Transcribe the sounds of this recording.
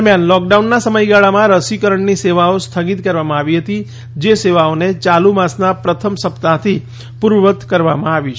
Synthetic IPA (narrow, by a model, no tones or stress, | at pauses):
ɾmjanlɔk̚ɖaunːasəməjɡaɭamãɾəsikəɾəɳniseʋaost̪ʰəɡit̪kəɾʋamãaʋiɦət̪i | d͡ʒeseʋaonet͡ʃalumãsnapɾət̪ʰəmsəpt̪at̪ʰi | puɾʋət̪kəɾʋamãaʋi